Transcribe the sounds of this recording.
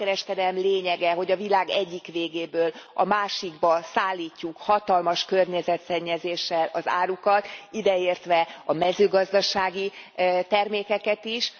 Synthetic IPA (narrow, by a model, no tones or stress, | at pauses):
ɛɾɛʃkɛd̪ɛlɛmleːɲɛɡɛɦo̞ɟɒvilaːɡɛɟːikʋeːɡeːbøːlɒmaːʃiɡbɒsaːlːiːcːukhɒt̪ɒlmɒʃkørɲɛzɛt̪sɛɲːɛzeːʃːɛlɒza̰ːɾukɒt̪id̪ɛeːrt̪ʋɛɒmɛzøːɡɒzd̪ɒʃaːɡit̪ɛrmeːkɛkɛt̪iʃ